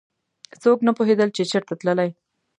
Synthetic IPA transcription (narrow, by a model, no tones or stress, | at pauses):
soknapoɦed̪əlt͡ʃet͡ʃəɾt̪at̪ləlaj